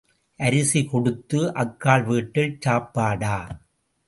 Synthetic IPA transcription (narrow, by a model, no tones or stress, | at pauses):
ʔɐɾɪsikɔɽɯt̪ːɯʔɐkːaːɭʋiːʈːɪlt͡ʃaːpːaːɽaː